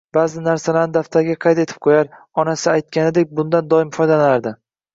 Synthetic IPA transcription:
b̥aːzɪnaɾsalaɾnɪd̪aft̪ʰaɾɡʲaqʰɑjt̪e̞t̪ʰɪp̚qʰojaɾ | ɒnasɪajt̪̚kʲanɪd̪e̞k̚ʲbʊnd̪and̪ɒɪmfɒjd̪alaaɾd̪ɪ

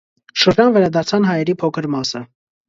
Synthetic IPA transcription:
ʃəɾd͡ʒɑnvɛɾɑd̪ɑɾt͡sʰɑnɦɑjɛɾipʰɔkʰəɾmɑsə

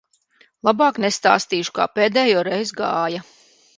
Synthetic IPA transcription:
lˠabaːknest̪a̰ːst̪iːʃu̥ka̰ːpeːd̪ɛːjoːɾɛjzɡaːjɐ

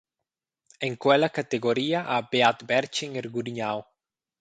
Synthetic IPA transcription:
eŋkwɛlakat̪eɡoɾiːaʔabeat̪bɛɾt͡ʃeŋeɾɡuɾiɲaw

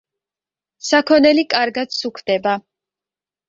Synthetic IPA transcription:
sakʰɔnɛlikʼaɾɡad̪sukʰd̪̥ɛba

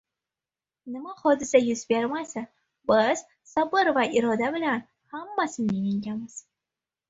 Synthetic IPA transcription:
nɪmahɒd̪ɪsajʊzbeɾmasɪ | bɪz̥ | sabɪɾvaʔɪɾɒd̪abɪlan | hamːasɪmnɪŋɪŋɡʲamɪz̥

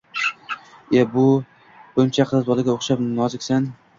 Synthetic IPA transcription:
ebʊ | bʊmt͡ʃʰaqʰɨzbɒlˠaɡʲaoχʃapnɒzɪkʲsan

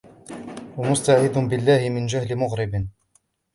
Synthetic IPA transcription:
wamʊst̪aʕid̪ʊnbɪlːaːhɪmɪnd͡ʒahlɪmʊɣɾɪb

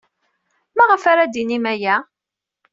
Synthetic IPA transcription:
maʁəfaɾad̪inimæjæ

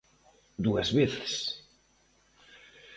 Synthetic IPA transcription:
d̪uɐzβeθe̥s

